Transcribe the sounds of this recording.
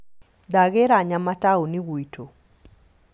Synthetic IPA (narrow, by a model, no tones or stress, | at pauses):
d̪aɣeɾaɲamataoniɡwitʰo